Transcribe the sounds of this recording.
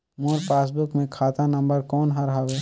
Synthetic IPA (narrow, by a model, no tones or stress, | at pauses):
moɾpaːs̬bʊkmẽkʰaːt̪anɐ̃mbəɾkɔːnɦɐɾɦaʋeː